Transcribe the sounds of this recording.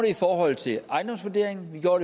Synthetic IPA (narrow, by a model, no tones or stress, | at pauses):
ɾ̥e̝ifɒːɦɒ̽l̰t͡sʰe̝lʔɑ̈ɪnd̥ɒ̽msʋæɐd̥e̝ɐeŋn̩ʋiɡ̥joɐ̰ːɾe